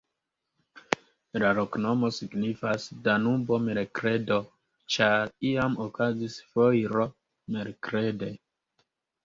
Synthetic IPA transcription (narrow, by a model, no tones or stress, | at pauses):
laɾokno̞mo̞siɡnifasdanubo̞meɾkɾe̞do̞ | t͡ʃaɾiamokazisfojɾo | meɾkɾede